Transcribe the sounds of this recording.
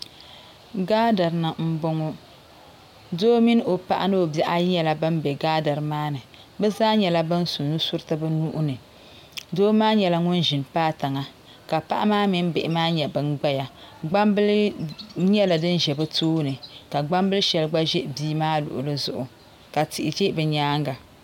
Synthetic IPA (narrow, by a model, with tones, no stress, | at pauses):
ɡaː˦da˨ɾɨ˨na˨m̩˦bo˦ŋo˦ | doː˦mi˦n˦o˨pa˦˨ʔa̰˦nɨ˦o˨bɛ˦ʔa˦ji˦ɲɛ˨la˦bɨ˦mbɛ˨ɡaː˦da˨ɾɨ˨maː˦nɨ˨ | bɨ˦zaː˦ɲɛ˨la˦bɨ˦nsu˨nnu˦su˦ɾtɨ˦bɨ˦nu˦ʔʊ˦nɨ˨ | doː˦maː˦ɲɛ˨la˦ŋʊ˦nʒi˨npaː˦ta˨ŋa˨ | ka˨pa̰˦ʔa˦maː˦mi˦n˦bɪ˨ʔɪ˨maː˦ɲɛ˨bɨ˨nɡ͡ba˦ja˨ɡ͡ba˦mbɨ˦l | ɲɛ˦la˨dɨ˦nʒɛ˨bɨ˦toː˦nɨ˨ka˨ɡ͡ba˦mbɨ˦lʃɛ˨lɡ͡ba˦ʒɛ˦ʔbiː˦maː˦lʊ̰˨ʔʊ̰˨lɨ˦zʊ̰˨ʔʊ˨ | ka˨ti˨ʔɪ˨d͡ʒe˦bɨ˨ɲaː˦ŋɡa˨